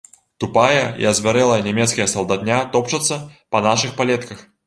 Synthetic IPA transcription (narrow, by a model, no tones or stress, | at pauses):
t̪upajɐḭɐzʲvʲaɾɛlˠɐjɐnʲɛmʲɛt̪skɐjɐsɐlˠd̪at̪nʲat̪ɔpt͡ʂɐt̪sːɐpɐnaʂɨxpalʲɛt̪kɐx